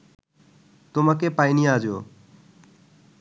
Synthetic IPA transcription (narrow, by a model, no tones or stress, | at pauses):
t̪ʊməkeːpaːinĩːaːd͡ʒjoː